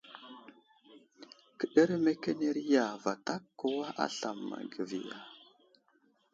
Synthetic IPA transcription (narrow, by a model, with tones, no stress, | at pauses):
kə˨ɗə˦ɾme˦ke˦ne˦ɾi˦ja˨va˨ta˦kːo˦wa˦ʔa̰˦ɬa˨mːa̰˨ɡə˨vḭ˨ja˨